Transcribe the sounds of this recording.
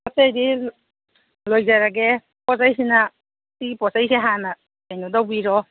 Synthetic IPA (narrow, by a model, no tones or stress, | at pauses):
atajɾi | lojzaɾaɡe | pɔzajsina | tipɔzajseɦana | ajnɔdawbiɾɔ